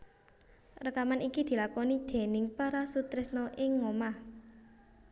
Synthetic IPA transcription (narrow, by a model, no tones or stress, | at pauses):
rəkamanikid̪̥i̤lakɔnid̪̥e̤nɪŋpaɾasut̪ɾɪsnɔʔɪŋːɔmah